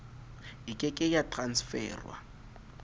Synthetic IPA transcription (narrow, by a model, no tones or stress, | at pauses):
ɪkʼɪkʼɪjatran̩sfɛ̰ːrwa̰